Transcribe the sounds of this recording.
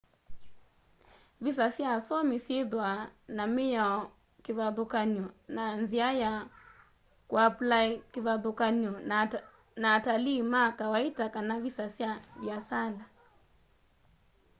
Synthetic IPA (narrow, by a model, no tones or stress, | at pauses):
vis̬asiasɔmisiðwanamija | kivaðukaniɔnanziaja | kuaplaikivaðukaniɔ | naːtalimakawaitakanavisasiavjasala